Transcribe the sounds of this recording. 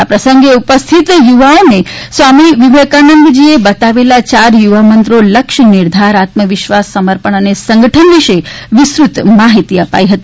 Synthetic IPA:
apɾəsəŋɡeupəst̪ʰit̪juʋaonesʋamiʋiʋekanəŋɡd͡ʒiebət̪aʋelat͡ʃaɾjuʋamənt̪ɾoləkʃniɾd̪ʱaɾat̪məʋɪʃʋasːəməɾpəɳənesəŋɡəʈʰənʋiʃeʋɪsɾut̪maɦit̪iəpa̰iɦət̪i

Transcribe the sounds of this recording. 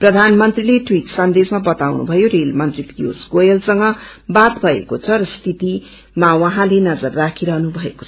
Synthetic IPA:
prʌd̪ʱanmʌnt̪rileʈwiʈsʌnd̪esmabʌt̪awnṵbʱʌjorelmʌnt̪ripijo̰sɡojʌlsʌŋɡʌbat̪bʱʌḛkot͡sʰʌɾʌst̪ʰit̪i | mawʌɦãlenʌd͡zʌrːakʰiɾʌɦnubʱʌeko̥t͡sʰʌ̥

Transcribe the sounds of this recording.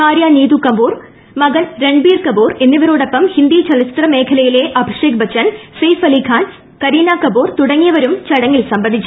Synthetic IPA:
haːɾjaːniːd̪ukːɐmbuːr | mɐɡɐnɾeɳɖbiːrkɐbuːre̞nːiʋɐɾoːɽɐpːɐmhind̪iːt͡ɕɐlɐst̪rɐme̞ːkʰɐlɐjile̞ʔɐbʱiʂeːk̚bɐt͡ɕːɐnsɐjfɐlikʰaːn | kɐɾiːnaːkɐbuːrt̪uɽɐŋːijɐʋɐɾumt͡ɕɐɽɐŋːilsɐmbɐnd̪ʱit͡ɕːu

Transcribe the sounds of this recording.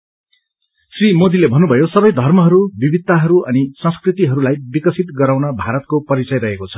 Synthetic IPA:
srimod̪ilebʱʌnːubʱʌjosʌbʌjd̪ʱʌrmʌɦʌɾubibʱid̪aɦʌɾuʔʌnisʌ̃skrit̪iɦʌɾulajbikʌsit̪ɡʌɾawnʌbʱaɾʌt̪̚kopʌɾit͡sʌjɾʌɦekot͡sʰʌ̥

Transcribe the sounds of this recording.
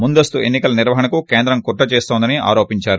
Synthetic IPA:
mund̪ɐst̪ue̞nːikɐlɐniɾʋɐɦɐnɐkukeːnd̪ɾɐmkuʈːɐt͡ʃeːst̪ond̪ɐnia̰ːɾo̞ːpiɲt͡ʃaːɾu

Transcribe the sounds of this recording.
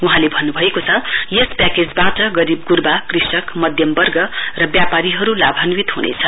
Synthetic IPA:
uɦãlebʱʌnːubʱʌekot͡sʰʌjespjaked͡zbaʈʌɡʌɾibɡurbakrisʌkmʌd̪ʱjʌmbʌrɡʌrʌbjapaɾiɦʌɾulabʱanwit̪ɦunḛt͡sʰʌ

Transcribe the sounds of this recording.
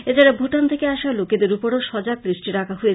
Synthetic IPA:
ed͡ʑaɾebʱuʈant̪ʰekeaʃaloked̪eɾupoɽoʃɔd͡ʑabɾisʈiɾakʰaɦujet͡ɕ

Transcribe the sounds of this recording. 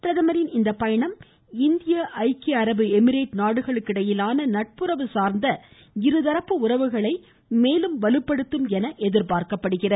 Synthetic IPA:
pɪɾɐðɐmɐɾɪnɪnd̪ɐpːɐjɐɳɐm | ɪnd̪ɪjɐʔɐɪkiɐɾɐbɯɛmɪɾeːʈnaːɽɯɣɐɭɯkːɪɽɐjɪlaːnɐnɐʈ̚pɯɾɐʋɯsaːɾnd̪ɐ | ɪɾɯðɐɾɐpːɯʊrɐʋɯɣɐɭɐɪ | meːlɯmʋɐlɯpːɐɽɯt̪ːɯmɛnɐʔɛðɪɾpaːɾkɐpːɐɽɯɣɪrɐ

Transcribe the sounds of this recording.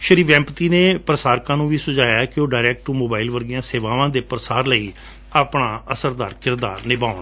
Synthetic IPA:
ʃəɾiːʋɛ̃ːmpət̪iːneːpɾəsaːɾkãːnũːʋiːsʊd͡ʒaːjaːkɪoːɖaːɾɛːk̚ʈʈumoːbaːilʋəɾɡijãːseːʋaːʋãːd̪eːpɾəsaːɾləiː | aːpɳaːəsəɾd̪aːɾkɪɾd̪a̰ːnɪbaːʊn

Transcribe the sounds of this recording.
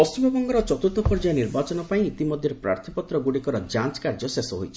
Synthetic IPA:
pɔst͡ʃumbebɔŋɡɔɾɔt͡ʃɔt̪ut̪ɔpɔɾd͡ʒajɔniɾbat͡ʃɔnɔpaĩit̪imɔd̪ʱjɔɾepɾa̰ɾt̪ʰipɔt̪ɾɔɡuɽikɔɾɔd͡ʒant͡ʃkaɾd͡ʒɔsesɔɦojt͡ʃʰi

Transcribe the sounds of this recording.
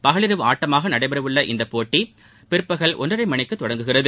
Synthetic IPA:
pɐɣɐɭɪɾɯʋɯaːʈːɐmaːɣɐnɐɽɐɪbɐɾɐʋɯɭːɐʔɪ̰nd̪ɐpoːʈːi | pɪɾɯpːɐɣɐɭʔɔ̰nrɐɾɐɪmɐɳɪkːɯt̪ːɔɽɐŋɡɯɣɪrɐðɯ

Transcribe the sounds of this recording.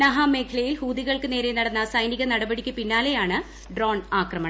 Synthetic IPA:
nɐɦɐme̞ːkʰɐɭɐjilhuːd̪iɣɐɭkɨne̞ːɾe̞nɐɽɐnːɐsɐjniɣɐnɐɽɐbɐɽikʲːɨpinːaːle̞jaːɳɨ | ɖroːɳaːkrɐmɐɳɐ

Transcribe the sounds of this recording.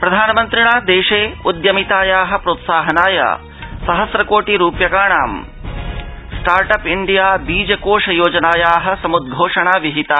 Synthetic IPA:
pɾɐd̪ʱaːnɐmɐnt̪ɾiɳaːd̪eːʂeːud̪jɐmit̪aːjaːɦɐ̆pɾoːt̪saːɦɐnaːjɐ̰ | sɐɦɐsɾɐkoːʈiɾuːpjɐkaːɳaːm | sʈaːɾʈɐpiɳɖijaːbiːd͡ʒɐkoːʂɐjoːd͡ʒɐnaːjaːɦɐ̆sɐmud̪̚ɡʱoːʂɐɳaːʋiɦit̪aː

